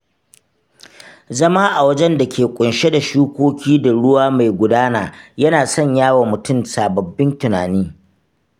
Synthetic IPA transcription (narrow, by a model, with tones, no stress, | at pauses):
zɐ˦maː˦ʔa˨wɐ˦d͡ʒɛ˦nda˨kʲeː˨kʷʼʊ˨nʃe˦da˨ʃuː˦kʷoː˦kʲiː˦da˨ɽʊ˦waː˦ma˨jɡʷʊ˨daː˦naː˨jɐ˦naː˨sɐ˦˨ɲjaː˦wa˨mʊ˨tʊ˦msaː˨bɐ˨bːɪ˦ntʊ˨naː˨niː˦